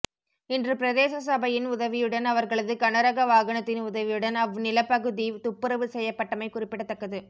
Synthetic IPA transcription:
ɪndrɯpɪɾɐðeːsɐsɐbɐjɪnʊðɐʋɪjɯɽɐnɐʋɐɾɣɐɭɐðɯkɐnɐɾɐɣɐʋaːɣɐɳɐt̪ːɪnʊðɐʋɪjɯɽɐnɐʋnɪlɐpːɐɣɯðit̪ʊpːɯɾɐʋɯsɛjːɐpːɐʈːɐmɐɪkʊrɪpːɪɽɐt̪ːɐkːɐðɯ

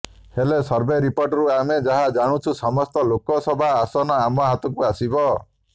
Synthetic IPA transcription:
helesɔɾbeɾipoɾʈɔɾuamed͡ʒaɦad͡ʒaɽ̃ũt͡ʃʰusɔmɔst̪ɔlokɔsɔbʱaːsɔnɔamɔɦat̪ɔkuasibɔ

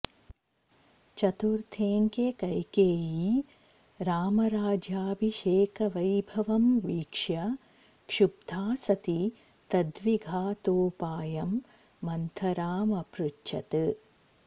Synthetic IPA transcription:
t͡ʃɐt̪uɾt̪ʰeːŋkekɐjkeːji | ɾaːmɐɾaːd͡ʒjaːbʱiʃeːkɐʋɐjbʱɐʋɐmʋiːkʂjɐ | kʂub̚d̪ʱaːsɐt̪i | t̪ɐd̪ʋiɡʱaːt̪oːpaːjɐmː | ɐnt̪ʰɐɾaːmɐpɾut͡ʃːt͡ʃɐt̪ɨ

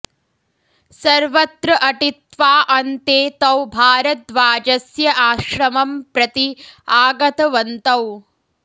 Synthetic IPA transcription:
sɐɾʋɐt̪ɾɐʔɐʈit̪ʋaːʔɐnt̪eːt̪ɐwbʱaːɾɐt̪ʋaːd͡ʒɐsjɐʔaːʃɾɐmɐmpɾɐt̪iaːɡɐt̪ɐʋɐnt̪ɐw

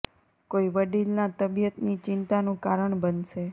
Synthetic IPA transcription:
koiʋəɖilnat̪əbjət̪nit͡ʃɪnt̪anũkaɾəɳbənʃe

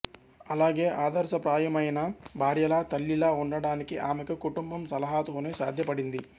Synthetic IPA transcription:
ɐlaːɡeːʔaːd̪ɐɾsɐpɾaːjɐmɐjɐnɐbʱaːɾjɐlaːt̪ɐlːilaːuɳɖɐɽaːnikiʔaːmɛkɐkuʈumbɐmsɐlɐɦaːt̪oːneːsaːd̪ʱjɐpɐɽind̪i

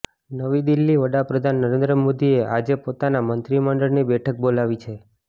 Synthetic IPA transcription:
nəʋid̪ilːiʋəɽapɾəd̪ʱanːəɾend̪ɾəmod̪ieʔad͡ʒepot̪anamənt̪ɾiməɳɖəɭnibɛʈʰək̚bolaʋit͡ʃʰe

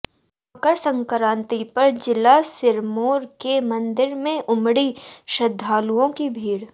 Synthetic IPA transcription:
kəɾsɐ̃ŋkɾãːnt̪ipɐɾd͡ʒɪlasɪɾmoːɾkemɐ̃nd̪ɪɾmẽʔʊmɽiʃɐd̪ʱːaːluõkibʱiːɽ

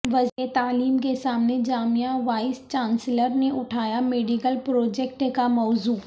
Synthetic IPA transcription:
ʋɐd͡ʒet̪aːliːmkesaːmned͡ʒaːmijãʋaːɪst͡ʃãːnsləɾneʔʊʈʰaːjameːɖikəlpɾoːd͡ʒɛk̚ʈkamɔːzuː

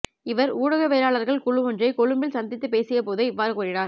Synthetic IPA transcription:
ɪʋɐɾuːɽɐɣɐʋeːɾaːɭɐɾɣɐɭkʊɭʊʋɔndrɐɪkɔɻɯmbɪlsɐnd̪ɪt̪ːɯpeːsɪjɐpoːðɯɪʋːaːɾɯkuːrɪnaːɾ

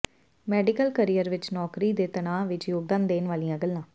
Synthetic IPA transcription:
mɛːɖɪkəlkəɾijəɾʋɪt͡ʃnɔːkɾiːd̪eːt̪ənaːʋɪt͡ʃjoːɡ̚d̪ãːnd̪eːnʋaːlijãːɡəlːãː

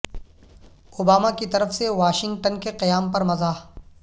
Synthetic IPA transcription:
ʊbaːmakit̪ɐɾəfseʋaːʃɪ̃ŋɡ̚ʈənkeqɪjaːmpɐɾmɐzaː

